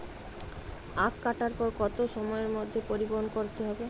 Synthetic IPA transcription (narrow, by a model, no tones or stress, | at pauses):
akːaʈaɾpoɾkɔt̪oʃɔmɔeɾmod̪ʱːepoɾiboɦonkoɾt̪eɦɔbe